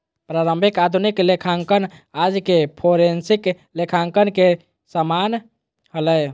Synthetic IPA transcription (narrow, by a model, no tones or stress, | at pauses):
pɾaɾəmbʱikad̪ʱuniklekʰaŋkənad͡ʒkepʰoɾensik | lekʰaŋkənke | səman | ɦələj